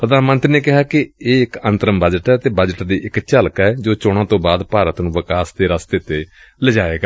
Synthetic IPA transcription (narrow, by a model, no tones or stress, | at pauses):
pɾəd̪aːnmənt̪ɾneːkɪɦaːkɪeːɪkənt̪əɾəmbəd͡ʒəʈɛːt̪eːbəd͡ʒəʈd̪iːʔɪkt͡ʃaːlkɛːd͡ʒoːt͡ʃoːɽ̃ãːt̪õːbaːd̪paːɾət̪nũːʋəkaːst̪eːɾaːst̪eːt̪eː | ləd͡ʒaːeːɡa